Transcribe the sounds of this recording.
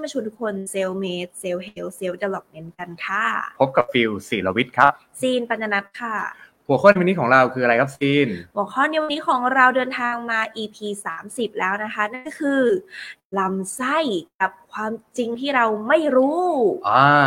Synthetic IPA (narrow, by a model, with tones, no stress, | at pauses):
ma˧˩t͡ɕʰu˧ntʰu˦˥kʰo˧nse˧wmeː˦˥t̪̚se˧wɦe˧wse˧˥wta˧˩lɔ˨˩k̚ne˨˧˥nka˧nkʰa˥˩pʰo˦˥p̚ka˨˩p̚fi˧wsiː˨˩la˧wi˦˥t̪̚kʰɾa˦˥p̚siː˧npa˧nːa˧na˦˥t̪̚kʰa˥˩ | hu˨˩˦kʰɔː˥˩ni˧niː˦˥kʰɔː˩˦ŋɾa˧wkʰɯː˧a˧ɾa˧jkʰa˦˥p̚siː˧nhu˨˩˦əkʰɔː˥˩nːi˧˥˧wa˧nːiː˦˥kʰɔː˩˦ŋɾa˧wdɤː˧nt̪ʰaː˧ŋmaː˧ʔiː˧pʰiː˧saː˩˦msi˨˩p̚lɛː˦˥wna˦˥kʰa˦˥na˥˩nkɔ˥˩kʰɯː˧la˧msa˥˩jka˨˩p̚kʰwaː˧mt͡ɕi˧ŋt̪ʰiː˥˩ɾa˧wma˥˩jɾuː˦˥ʔaː˧